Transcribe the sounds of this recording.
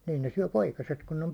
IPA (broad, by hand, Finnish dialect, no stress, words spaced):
niː niːn ne syæ̹ poikɑset kun ne om